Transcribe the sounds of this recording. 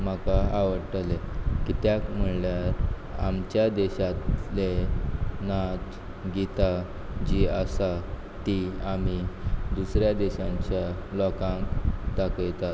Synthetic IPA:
makaaʋəɽʈəlekit̪jakm̤əɭljaɾa̰mt͡ɕjad̪eɕat̪le | nat͡s | ɡit̪a | d͡ʑiasa | t̪iam̤id̪usɾjad̪eɕãɲt͡ɕjalɔkãŋkd̪akəjt̪at̪

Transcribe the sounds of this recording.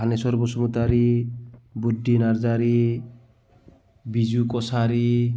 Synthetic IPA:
anesɔɾbosɔmut̪aɾi | budːinaɾd͡ʒaɾi | bid͡ʒukɔsaɾi

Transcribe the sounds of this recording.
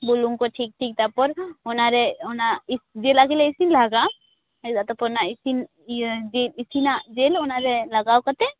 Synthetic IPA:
boluŋkoʈʰiːk̚ʈʰiːk̚t̪apɔɾɔnaɾeɔnaisd͡ʒelaɡeleɪsinlaɡa | d̪at̪apɔɾnaisin | d͡ʒeisinad͡ʒelɔnaɾelɐɡaːwkat̪ɛ

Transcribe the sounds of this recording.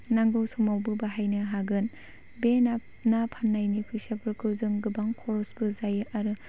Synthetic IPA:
naŋɡɯwsɔmawbɯbaɦajnɯɦaɡɯn | bena | napʰanːajnipʰɯjsapʰɯɾkʰɯzɯŋɡɯbaŋkʰɔɾɔsbɯzajaɾɯ

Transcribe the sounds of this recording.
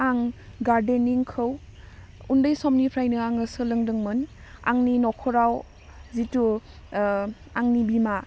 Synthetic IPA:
aŋ | ɡaɾdeniŋkʰɯw | undəjsɔmnipʰɾajnɯaŋəsɯləŋdɯŋmɯna̰ŋninɔkʰɔɾaw | zitu | aŋnibima

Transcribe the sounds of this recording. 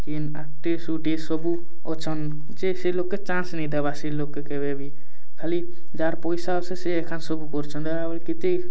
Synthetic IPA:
kinaʈesuʈesɔbu | ɔt͡ʃʰən | d͡ʒeselokːet͡ʃãːnsnĩd̪ebasilokːekeβebi | kʰali | d͡ʒaːɾpɔjsaseseekʰansɔbukɔɾt͡ʃʰənd̪eabəlkit̪e

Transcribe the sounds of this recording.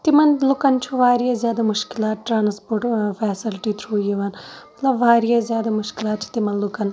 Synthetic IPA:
t̪imɐnlʊkɐnt͡ʃʰuʋaːɾijaːzjaːd̪amʊʃkɪlaːʈɾaːnspoːʈfʰɛːsɪlʈiːt̪ʰɾuːjiʋaːnmɐt̪lɐbʋaːɾijazjaːd̪amʊʃkɪlaːt̪̚t͡ʃʰi̥t̪imɐnlʊkɐn

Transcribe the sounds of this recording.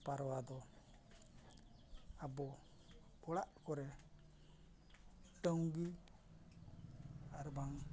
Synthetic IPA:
paɾɔwad̪ɔ | abɔ | ɔlaʔkɔɾɛ | ʈəŋɡi | aɾbaŋ

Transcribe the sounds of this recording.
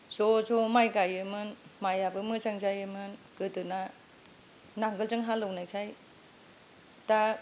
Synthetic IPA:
zozɔmajɡajɯmɯnmajabɯmɯzaŋd͡ʒajɯmɯnkɯtɯna | naŋɡɯld͡ʒɯŋɦalɯwnajkʰaj | ta

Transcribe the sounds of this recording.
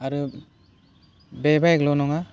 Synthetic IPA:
aɾu | bebajklɔnɔŋa

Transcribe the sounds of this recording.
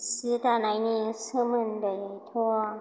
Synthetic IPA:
sɨt̪anajnisəmənd̪əjajt̪ʰɔ

